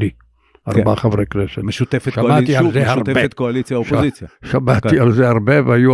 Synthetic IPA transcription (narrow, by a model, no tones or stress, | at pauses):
i | aʁbaχavʁeknesemeʃut̪efeʃaat̪ialzehaʁbet̪koalit͡sjaoʃpozit͡sjaʃamat̪ialzeaʁbeveaju